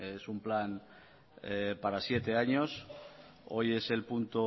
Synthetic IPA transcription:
esumplan | epaɾasje̞t̪e̞aɲos | o̞je̞se̞lpunt̪o

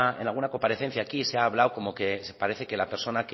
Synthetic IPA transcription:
ae̞nalɣunako̞mpaɾe̞θe̞n̟θjaːkiseaːβ̞lawko̞mo̞ke̞spaɾeθe̞ke̞lape̞ɾso̞nak

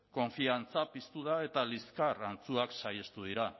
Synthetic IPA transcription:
ko̞ɱfiant͡sapist̪uðae̞t̪aliskarant͡suaksajest̪uð̞iɾa

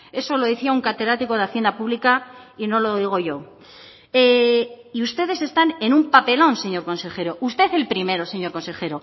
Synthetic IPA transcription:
e̞so̞lo̞ðeθiauŋkat̪eðɾat̪iko̞ð̞eaθje̞nd̪apuβlikaino̞lo̞ðiɣ̞o̞ʝo̞ | eiust̪e̞ð̞e̞se̞st̪ane̞nũmpape̞lõ̞nse̞ɲo̞ɾko̞nse̞xe̞ɾo̞ʔust̪e̞θe̞lpɾime̞ɾo̞se̞ɲo̞ɾko̞nse̞xe̞ɾo

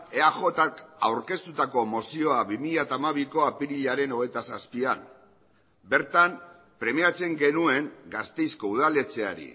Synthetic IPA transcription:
eaxo̞t̪akawɾke̞st̪ut̪ako̞mo̞sio̞aβimiʎat̪aːmaβ̞iko̞apiɾiʎaɾe̞no̞ɣ̞et̪asaspia̰m | be̞ɾt̪am | pɾe̞miat͡se̞ŋɡe̞nue̞ŋɡast̪e̞jsko̞uðale̞t͡se̞a̰ɾḭ

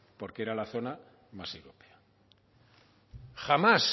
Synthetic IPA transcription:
po̞ɾkeeɾalaθo̞na | masewɾopea | xamas

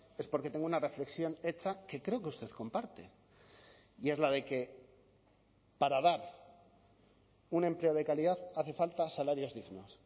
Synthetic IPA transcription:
e̞spo̞ɾket̪e̞ŋɡounare̞fle̞ksjo̞ne̞t͡ʃake̞kɾe̞o̞keust̪e̞ðko̞mpaɾt̪e̞ | ie̞zlað̞e̞ke̞ | paɾaðaɾ | unẽ̞mple̞o̞ðe̞kaliðaðaθe̞falt̪asalaɾjo̞zðiɣno̞s

